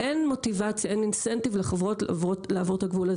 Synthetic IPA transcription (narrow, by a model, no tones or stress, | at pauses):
ʔenmo̞tivat͡sjaeninsentivleχevʁotvolaːvotaɡvulaz